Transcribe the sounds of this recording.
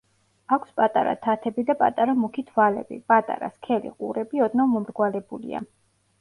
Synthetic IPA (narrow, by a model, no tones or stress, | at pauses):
akʷʰspʼat̪ʼaɾa̰t̪ʰat̪ʰɛbid̪apʼa̰t̪ʼaɾamukʰit̪ʰvalɛ̰bḭpʼat̪ʼa̰ɾa̰skʰɛlḭqʼṵɾɛbiɔd̪nɔmɔmɾɡwalɛbulḭa̰